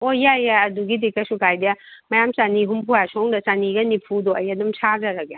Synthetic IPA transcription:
ojajaɐduɡidekːɐsukʰajdɐmɐjamsaniɦumpʰujasɔŋdɐsaniɡɐnipʰudoɐjadumsʰazɐɾaɡa

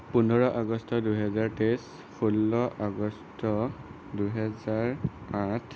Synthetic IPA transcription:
punɔɹɔʔaɡɔstɔduɦɛzaɹtes | pʰulːɔʔaɡɔstɔ | duɦɛzaɹatʰ

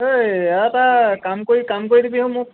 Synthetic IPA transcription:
ɦojeaɛtakamkoɹikamkoɹidibiɦomʊ̃

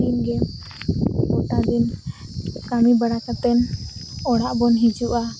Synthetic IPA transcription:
inɡɛ | ɔʈad̪in | kamibaɽakat̪ɛnɔɽaʔbɔnɦid͡ʒuʔa

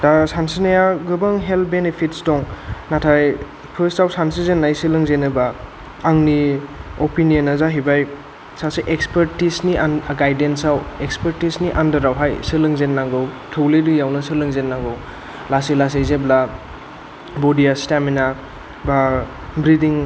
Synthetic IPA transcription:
dasansinajaɡɯbaŋɦelt̚benepʰitsdɔŋnatʰaj | pʰɯɾstawsansizenːajsɯlɯŋzenɯba | aŋniopinijənːazaɦibaj | saseʔekspəɾtisnianɡajdensawekspəɾtisniʔandɐɾawɦajsɯlɯŋzenːaŋɡɯw | tʰɯwledɯjawnɐsɯlɯŋzenːaŋɡɯw | lasilas̬ezebla | bɔdijastamina | ba | bɾidiŋ

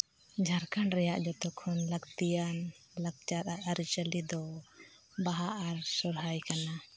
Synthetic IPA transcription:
d͡ʒʱaɾkaɳɾɛjaʔd͡ʒɔt̪ɔkʰɔnləɡt̪ijan | laɡ̚t͡ʃaɾaʔaɾit͡ʃəlid̪ɔ | baɦaʔaɾsɔɾɦajkana

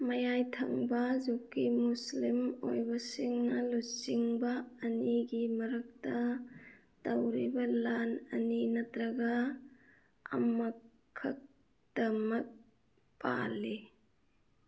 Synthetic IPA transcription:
mɐjajtʰɐ̰ŋbɐzokːimuslimo̰jbɐsiŋnɐlusiŋbɐːniɡimɐɾɐk̚tɐ | tɐwɾibɐlanɐ̰ninɐtɾɐɡa | ɐ̰mɐkʰː | ɐk̚ | d̥ɐmɐk̚ | pa̰li

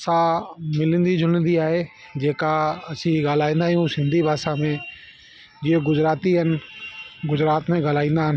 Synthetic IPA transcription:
samɪlə̃nd̪id͡ʒʱʊnnd̪iaːɦe | d͡ʑeːkaɐsĩɡaːl̤aːĩːnd̪aːɦijũsɪ̃nd̪ʱibʱaːsamẽ | d͡ʑieɡʊd͡ʑɾaːt̪iɦənɪ̆ɡʊd͡ʑɾaːt̪mẽɡal̤aːĩːnd̪aːɦən

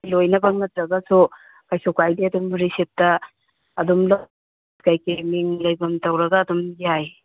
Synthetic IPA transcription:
lojnɐbɐŋɐtɾɐɡasu | kajsukajdiɐdumɾisep̚tɐː | dumlɐ | tkajkemiŋlajbɐmtɐwɾɐɡaːdumɡaj

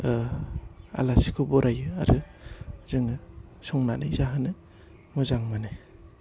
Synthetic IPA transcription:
a̰lasi̥kʰɔbɔɾʔajɯaɾɯzɯŋɯsɔŋnana̰jzaɦɯnɯ | mɯzaŋmanɯ

